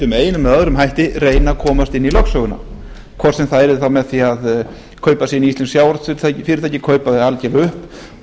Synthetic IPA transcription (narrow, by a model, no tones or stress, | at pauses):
ʏmejɪnʏmːɛððɾʏmɦajht̪ɪreːjnakʰɔːmast̪ɪnːilœksœɣʏna̰ | kʰɔr̥sɛmθaðɛɾθawmɛðθiað | kʰœːɥpasɛɪniist̪ɛnsjaːwɾt̪facfɪɾɪɾ̥θajcɪkʰœːɥpaðɪalcɛlʏhp